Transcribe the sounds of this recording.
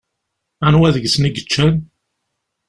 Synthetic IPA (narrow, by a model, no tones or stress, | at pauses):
anwæðəʝsniɡət͡ʃːæn